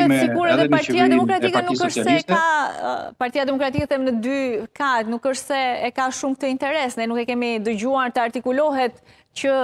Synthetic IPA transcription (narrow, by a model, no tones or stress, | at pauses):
ɛsiɡuɾɛðɛpaɾt̪iad̪ɛmɔkɾat̪ikanukəʃssɛka̰ | paɾt̪ijad̪ɛmɔkɾat̪ikɛθɛmnəd̪yfkat̪nukəʃt̪sɛːkaʃumk̚t̪əint̪ɛɾɛsnɛnukɛkɛmid̪əɟuaɾt̪əaɾt̪ikulɔɦɛt̪ | cə